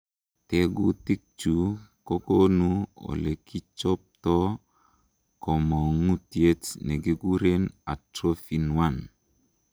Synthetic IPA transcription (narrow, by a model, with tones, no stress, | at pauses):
te˦ɡu˦ti˦k̚t͡ʃu˨ko˦ko˦nu˦ɔ̰˨le˨ki˦t͡ʃɔ˦p̚t̪ɔ˦ | kɔ˨mɔ˨ŋu˦tje˦tnɛ˨ɡe˦ɡu˦ɾe˦na˨tɾo˦fi˨nwa˦˨n